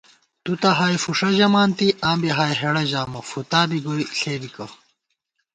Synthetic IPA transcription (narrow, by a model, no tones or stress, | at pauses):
t̪ut̪ɐɦaːjfuʂɐʑɐmaːnt̪iʔãːmbɐɦaːjɦeɽɐʑaːmɐfut̪aːbiɡoiɬeːbikɐ